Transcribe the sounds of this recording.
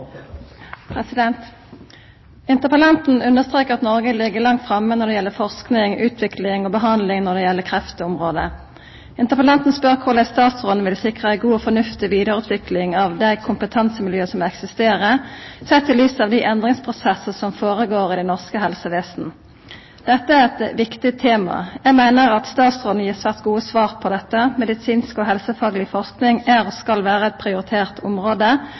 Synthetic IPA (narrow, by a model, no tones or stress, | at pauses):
pʰʁɛsɪd̪ɛnt̪ | ɪnt̪əpəlɑnt̪n̩ʉnːəst̪ʁeːkəʁɑt̪nɔʁɡəlɪɡːəʁlɑŋt̪fʁɑmːənɔʁd̪ɛjɛlːəfɔʁsknɪŋʉ̰ːt̪ʰʋɪklɪŋoːbəɦɑnd̪lɪŋnɔʁd̪ɛjɛlːəkʰʁɛft̪əʊmʁoːd̪ə̰ | ɪnt̪əpəlɑnt̪n̩spœʁkʰʊʁd̪æɪst̪ɑːt̪sʁʊd̪nəʋɪlsɪkʁəɛɪɡuːɔfɔnʉft̪ɪʋiːd̪əʁʉːt̪ʋɪklɪŋɑʋd̪æɪkʰʊmpət̪ʰɑnsəmɪljøːsɔmɛksɪst̪eːʁəsɛt̪ʰːɪlyːsɑʋd̪iʔɛnd̪ʁɪŋspʰʁʊsɛsəsɔmfoːʁəɡoːʁɪd̪ɛnɔʁskəɦɛlsəʋeːsn̩ | d̪̥ɛt̪ːəæʁɛt̪ʋɪkt̪ɪt̪ʰeːmɑ̰jæɡmæɪnəʁɑt̪st̪ɑːt̪sʁɔːd̪n̩jiːʁsʋæːʁt̪ɡuːəsʋɑːʁpʰɔd̪ɛt̪ːəmɛd̪ɪsiːnskoɦɛlsəfɑːɡəlɪfɔʁsknɪŋæʁɔskɑlʋæːʁəɛt̪̚pʰʁɪʊɾɪt̪ʰeːʁt̪ʰʊmʁoːd̪ə